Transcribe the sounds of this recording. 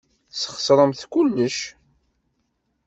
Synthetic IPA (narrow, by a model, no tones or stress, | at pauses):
sə̥χsɾˤəmθkʊlːəʃ